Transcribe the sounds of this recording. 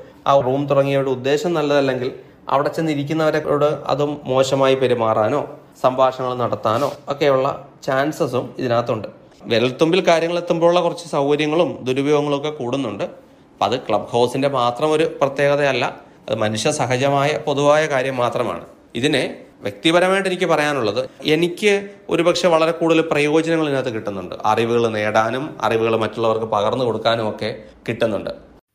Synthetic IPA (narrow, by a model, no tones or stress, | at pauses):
ɐ̰ruːmt̪urɐŋːijɐuɽeud̪ːe̞ːɕɐmnɐlːɐðɐlːe̞ŋɡil | ɐ̰ʋiɽet͡ɕːenːiɾikʲːunːɐʋɐɾeoɽɨɐ̰ðumːo̞ːɕɐmaːjipeɾumaːraːno̞ː | sɐmbʱaːʂɐŋːɐɭumnɐɽɐt̪ːaːno̞̰ːokːe̞juɭːɐ̰t͡ɕaːnsɐsumiðinaːt̪ːuɳɖɨ | ʋeɾɐlt̪ːumbilkaːɾjɐŋːɐɭe̞t̪ːumboːɭːɐkurɐt͡ɕːɨ̥sɐwkɐɾjɐŋːɐɭumd̪uɾubʱjoːɡɐŋːɐɭokːekuːɽunːuɳɖɨ | ɐ̰ðɨkɭɐbho̞ːsinde̞maːt̪rɐmo̞ɾuprɐt̪je̞ːɣɐðeɐlːɐ̰ | ɐ̰ðɨ̰mɐnuʂjɐsɐɦɐd͡ʑɐmaːjɐpo̞ðuʋaːjɐkaːɾjɐmːaːt̪rɐma̰ːɳɨ̰ | iðine̞ʋjek̚t̪ibɐɾɐmaːjiʈ̬ːenikʲːɨpɐrɐjaːnuɭːɐðɨe̞nikʲːɨo̞̰ɾupɐkʂeʋɐɭɐɾe̞kuːɽuðilprɐjo̞ːd͡ʑɐnɐŋːɐɭinːaːt̪ːekiʈːunːuɳɖɨ̰ʔɐ̰riʋuɣɐɭneːɽaːnumɐ̰riʋuɣɐɭmɐtːuɭːɐʋɐrkɨpɐɣɐrnːɨko̞ɽukːaːnumo̞kːe̞kiʈːunːuɳɖɨ